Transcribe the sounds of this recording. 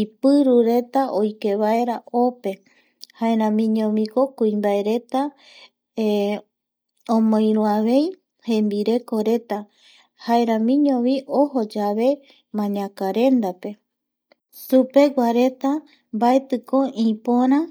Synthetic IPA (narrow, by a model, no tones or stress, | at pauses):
ipɨɾuɾe̞t̪aʔojke̞βae̞ɾaope̞ | haeɾãmĩɲõβĩkokuĩmbae̞ɾe̞t̪a | õmõj̃ɾũaβe̞j | hẽmbiɾe̞ko̞ɾe̞t̪a | haeɾãmĩɲõβiʔoho̞d͡ʒaβe̞ | mãɲãkaɾe̞nd̪ape̞ | supe̞ɡʷaɾe̞t̪a | mbaet̪ɨkoĩpoɾã